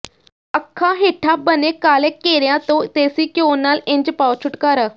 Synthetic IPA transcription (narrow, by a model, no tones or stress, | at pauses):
əkʰːãɦeːʈʰabənekaːlekːeːɾjãt̪õt̪eːsiːkjoːnːaːlɪ̃ɲd͡ʒpaːwt͡ʃʰʊʈkaːɾəː